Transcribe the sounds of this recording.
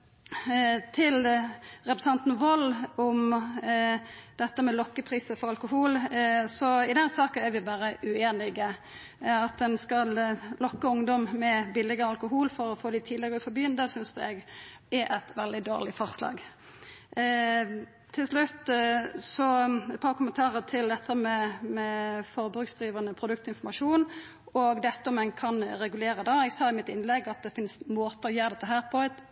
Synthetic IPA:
t̪ʰɪlʁɛpɾəsɑnt̪n̩ʋɔlɔm | d̪̥ɛt̪ːəmɛlɔkːəpʰɾiːsəfɔʁɑlkʊɦuːlsɔɪd̪ɛnsɑːkənæɾʋɪbɑːɾəʔʉeːnɪɡə | ɑt̪̚d̪ɛnskɑllɔkːəʊŋd̪ɔmmɛbɪlɪɡəɑlkʊɦuːlfɔɾɔfoːd̪ɪt̪ʰiːd̪ɪɡəɾʉfɔbjyːənd̪əsʏnsd̪ɛɡɛɾʔɛt̪ʋɛld̪ɪd̪o̰ːʁlɪfɔʁslɑ̰ːɡ | t̪ʰɪlslʉt̪ːsɔɛt̪̚pʰɑːʁkʊmənt̪ʰɑːʁət̪ʰɪld̪ɛt̪ʰːəmɛmɛfɔɾbʁʉːksd̪ʁiːʋɑnəpʰʁʊd̪ʉk̚t̪ɪnfɔʁmɑʃuːn | ɔɡd̪ɛt̪ːəɔmɛnkʰɑnɾɛɡʉleːɾəd̪ɑɛɡsɑːɪmɪt̪ɪnlɛɡɑt̪̚d̪ɛfɪnsmoːt̪əɔjøːɾd̪ɛt̪ːəɦæːʁpʰɔɛt̪

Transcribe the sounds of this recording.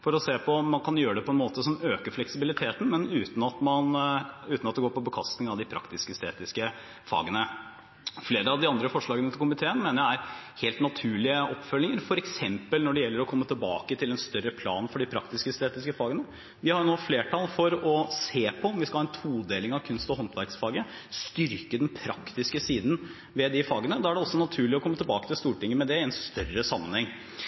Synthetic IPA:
fɔɾɔseːpʰɔmɑnkʰɑnjøːɾəɖ̪ɛpʰɔɛnmoːt̪əsɔmøːkəflɛksɪbɪlɪt̪ʰeːt̪n̩mɛnʉːt̪n̩ɑt̪mɑnʉːt̪nɑt̪d̪ɛɡoːɾpɔbəkʰɑst̪ɪŋɑʋd̪ɪpʰɾɑ̰kt̪ɪskəst̪eːt̪ɪskə | fɑ̰ːɡənə | fleːɾəɑʋd̪ɪɑnd̪ɾəfɔʂɭɑːɡənət̪ʰɪlkʰʊmɪt̪ʰeːənmeːnəɾææɾheːlt̪nɑt̪ʰʉːɭɪəɔpːfœlːɪŋəɾfɔɾɛksɛmpəlnɔɖɛjɛlːəɾɔkʰɔmːət̪ʰɪlbɑːkət̪ʰɪlɛnst̪œɾːəpʰlɑ̰ːnfɔɖɪpʰɾɑkt̪ɪskəst̪eːt̪ɪskəfɑːɡənə | ʋɪhɑɾjʊnoːfleːʈʰɑlfɔɾɔseːpʰɔɔmʋɪskɑhɑːɛnt̪ʰuːd̪eːlɪŋɑʋkʰʉnst̪ɔɦɔnt̪ʋæɾksfɑːɡə | st̪ʏɾkəd̪ɛnpʰɾɑkt̪ɪskəsiːd̪n | ʋɛd̪ɪfɑːɡənəd̪ɑːæɖɛɔsːɔnɑt̪ʰʉːɭɪɔkʰɔmːət̪ʰɛlbɑːkət̪ɪlst̪uːʈɪŋːəmɛd̪ɛɪɛnst̪œrːəsɑmːənhɛŋ

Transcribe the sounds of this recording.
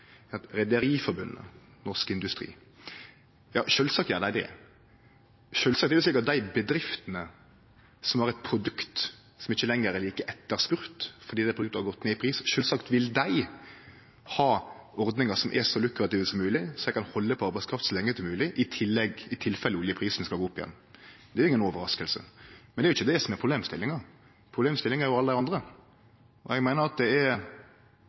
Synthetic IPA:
ɾɛd̪əɾiːfɔbʉnːə̰ | nɔʁskɪnd̪ʉst̪ɾḭː | jɑ̰ːʃøːlsɑk̚t̪jɑːd̪ɛɛd̪ɛ̰ | ʃøːlsɑk̚t̪ɛbəsliːkɑt̪̚d̪æɪbəd̪ɾɪft̪ənə | sɔmæʁɛt̪̚pʰɾʊd̪ʉkt̪ | sɔmɪçːəlɛŋːəɛliːkəʔɛt̪ːəɾspʉɾt̪fɔɾd̪iːd̪æɪpʰɾʉk̚t̪əhɑɡɔt̪ːneːɪpʰɾiːsʃøːlsɑkt̪ʋɪld̪æɪ | hɑːɔɾd̪nɪŋɑsɔmʔɛ̰ʂɔlʉkɾɑt̪iːʋəsɔmːʉːlɪsɔæɛɡkʰɑnhɔlːəpʰɔɑɾbæɪskʰɾɑft̪sɔlɛŋːəsɔmʉːlɪʔɪt̪ʰɪlːɛɡɪt̪ʰɪlfɛlːəʉːljəpʰɾiːsn̩skɑɡoːʊpːɪjɛ̰nː | d̪ɛɾʊɪŋːənɔːʋəɾɑskəlsə̰mɛnd̪ɛɾʊɪçːəd̪ɛsɔmɛɾpʰʁʊbleːmst̪ɪlːɪŋɑ | pʰʁʊbleːmst̪ɪlːɪŋɛɾjʊɑləd̪æɪɑnd̪ɾə | ɔɛɡmæɪnəɾɑt̪̚d̪ɛɛɾ

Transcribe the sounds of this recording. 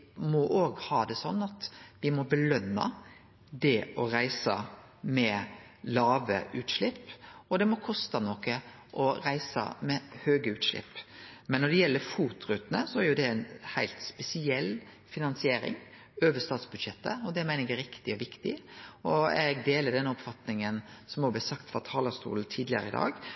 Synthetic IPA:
mɔʔoːɡhɑːd̪ɛsɔnːɑt̪ʋɪmɔbəlœnːɑ̰ | d̪ɛɔɾæɪsə | mɛ | lɑːʋə̰ʔʉːt̪ʂɭɪpːɔd̪ɛmɔkʰɔst̪ɑnɔkːə | ʔɔɾæɪsə̰mɛhøːɡəʉːt̪ʂlɪ̰pːmɛnːɔɖ̪ɛjɛlːəɾfuːt̪ɾʉːt̪nə̰sɔæɾjʊd̪ɛænhæɪlt̪spɛsɪɛlː | fɪnɑnsɪeːɾɪ̰ŋ | øːʋəst̪ɑːt̪sbʉd̪ʃɛt̪ːə̰ɔd̪ɛmæɪnɛkæɾɪkt̪ɪɔʋɪkt̪ɪ̰ɔɛɡd̪eːləɖ̪ɛnːəɔpfɑt̪nɪŋənsɔmɔɡblæsɑkt̪fɾɑt̪ʰɑːləst̪ṵːln̩t̪ʰiːd̪lɪə̰ɾəɪd̪ɑ̰ːɡ

